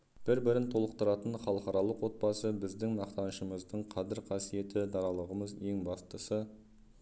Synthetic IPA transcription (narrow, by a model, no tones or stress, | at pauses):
b̥ɪɾbɪɾɪnt̪ʰo̞lˠəq̚t̪əɾɑt̪ənχɑlˠəqɑɾɑlˠəqwo̞t̪̚bɑsəbɪzd̪ɪŋnɑqt̪ɑnəʃəməzd̪əɴqʰɑzɪɾqʰɑsije̞t̪ɪd̪ɑɾɑlˠəʁəməzje̞ŋbɑst̪əsə